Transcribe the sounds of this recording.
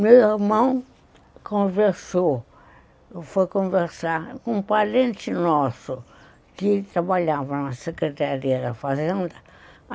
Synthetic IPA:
mewiɾmɐ̃w̃ | kõveɾso | fojkõveɾsaɾkõpaɾẽnt̪inɔsu | kit̪ɾaβaʎavɐnɐsekɾet̪aɾiɐðɐfazẽnd̪ɐ

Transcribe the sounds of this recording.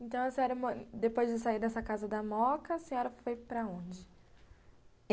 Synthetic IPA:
ẽnt̪ɐ̃w̃ɐsẽɔɾɪmɐd̪epojzd͡ʒɪsaiɾd̪ɛsɐkazɐd̪ɐmɔkɐsẽɲɔɾɐfojpɾɐõd͡ʒɪ

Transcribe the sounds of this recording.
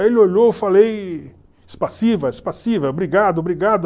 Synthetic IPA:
elɪoʎofalej | ɪspasivɐɪspasivɐobɾiɡad̪ʊobɾiɡad̪ʊ

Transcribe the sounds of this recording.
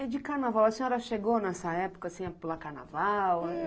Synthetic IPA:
ɛd͡ʒɪkaɾnavawɐsẽɔɾɐʃeɡonɛsɐɛpʊ̥kɐsĩɛpelɐkaɾna̰vaw

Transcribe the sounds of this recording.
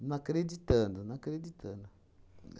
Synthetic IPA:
nuakɾed͡ʒit̪ɐ̃nd̪ʊnakɾed͡ʒit̪ʰɐ̰̃nd̪ʊ

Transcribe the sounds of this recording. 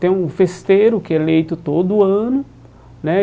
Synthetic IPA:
t̪ẽj̃ũfest̪eɾʊkɪɛlejt̪ʊt̪od̪ʊɐ̃nʊ | nɛ

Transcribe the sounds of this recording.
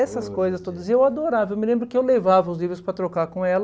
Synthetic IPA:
ɛsɐskojzɐst̪od̪ɐzɪewad̪oɾavɐewmɪlẽmbɾʊkɪewlevavɐʊzlivɾʊspɾɐt̪ɾokaɾkõɛl

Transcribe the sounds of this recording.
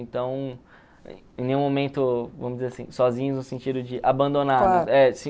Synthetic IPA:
ẽt̪ɐ̃w̰̃ | ẽnẽj̃ũmomẽnt̪ʊvɐ̃mʊd͡ʒɪzeɾasḭ̃sɔzĩɲʊznʊsẽnt͡ʃid̪ʊd͡ʒɪʔabɐ̃nd̪onaldaʊɛsĩ

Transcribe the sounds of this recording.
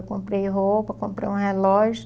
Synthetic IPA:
wkõmpɾejɦowpɐkõmpɾḛjũɦelɔʒʊ

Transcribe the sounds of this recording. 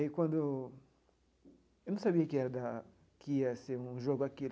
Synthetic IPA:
ikwɐ̃nd̪ʊ | ewnɐ̃w̃sabiɐkɪɛɾɐd̪a | kiɐseɾũʒoɡʊaki

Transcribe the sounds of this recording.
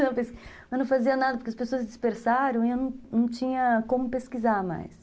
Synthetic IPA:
nɐ̃w̃pes | ɐnɐ̃w̃faziɐnad̪ɐpoɾkɪɐspesoɐzd͡ʒispeɾsaɾɐ̃w̃iewnɐ̃w̃nɐ̃w̃t͡ʃĩɲɐkõmʊpeskizaɾma̰js

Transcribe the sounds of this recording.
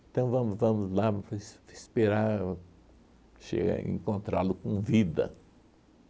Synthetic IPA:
ẽt̪ɐ̃w̃vɐ̃mʊzvɐ̃mʊzlasɪspeɾa | ʃḛɡɐ̰ḛ̃kõnt̪ɾalʊkõvid̪ɐ̰

